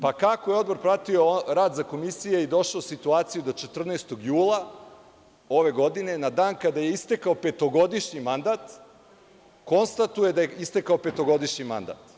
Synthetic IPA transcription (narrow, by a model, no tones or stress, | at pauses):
pakakojeo̞d̪bo̞ɾpɾat̪ioɾaːd̪zako̞misijeid̪o̞ʃaosit̪uaːt̪sijud̪ot͡ʃet̪r̩nɛst̪o̞ɡjuːlˠa | o̞ʋe̞ɡo̞d̪ine̞nad̪aːnkad̪aje̞ist̪e̞kaope̞t̪o̞ɡo̞d̪iʃɲimand̪at̪ | ko̞nst̪at̪uje̞d̪ajeist̪ekaope̞t̪o̞ɡo̞d̪iʃɲima̰nd̪a̰t̪